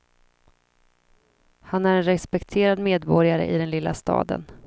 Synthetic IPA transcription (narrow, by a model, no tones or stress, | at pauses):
hanæɾɛnɾɛspɛkt̪ʰeːɾad̪meːd̪bɔɾjaɾə̰ʔɪd̪ɛnlɪlːast̪ɑ̰ːd̪ə̰n